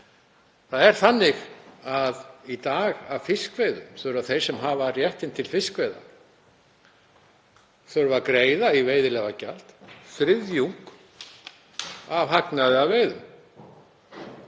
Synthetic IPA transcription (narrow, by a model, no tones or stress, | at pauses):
θaðɛɾ̥θanːɪɣaðit̪aːɣavfɪskvejðʏmθœɾvaθej̥sɛmɦaːvarjɛht̪ɪnt̪ʰɪlfɪskvejða̰ | θœɾvakɾeːjðaiveːjðɪlɛːɣaca̰l̥t̪fɾɪðjuŋ̥k | avɦaknaðɪaveːjðʏm